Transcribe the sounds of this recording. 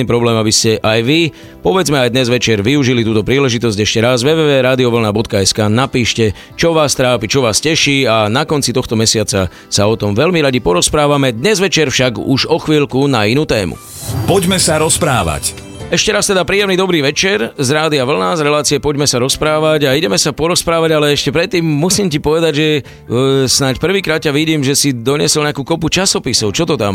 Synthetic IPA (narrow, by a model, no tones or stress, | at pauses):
niːpɾɔblɛːmabiscɛʔajʋi | pɔʋɛd͡zmɛajd̪ɲɛzʋɛt͡ʃɛɾʋiuʒilit̪uːt̪ɔpɾiːlɛʒit̪ɔzɟɛʃcɛɾazʋɛːʋɛːʋɛːɾaːd̪iɔʋl̩nabɔt̪̚kaɛskaːnapiːʃcɛ | t͡ʃɔʋaːst̪ɾaːpit͡ʃɔʋaːscɛʃiːanakɔnt͡sit̪ɔxt̪ɔmɛsɪat͡sa | saɔt̪ɔmʋɛlmiɾaɟipɔɾɔspɾaːʋamɛd̪ɲɛzʋɛt͡ʃɛɾfʃaɡṵʒɔxʋiːʎkunainuːt̪ɛːmṵ | pɔɟmɛsaɾɔspɾa̰ːʋa̰c | ɛʃcɛɾast̪ɛd̪apɾiːjɛmnid̪ɔbɾiːʋɛt͡ʃɛɾzɾaːd̪iaʋl̩nazɾɛlaːt͡siɪɛpɔɟmɛsaɾɔspɾaːʋaɟaiɟɛmɛsapɔɾɔspɾaːʋaɟalɛɛʃcɛpɾɛt̪ːiːmːusiːmcipɔʋɛd̪aɟʒɛ | snacpr̩ʋiːkɾaːt̪caʋiɟiːmʒɛsid̪ɔɲɪɛsɔlɲɛakuːkɔput͡ʃasɔpisɔʊt͡ʃɔt̪ɔt̪a̰m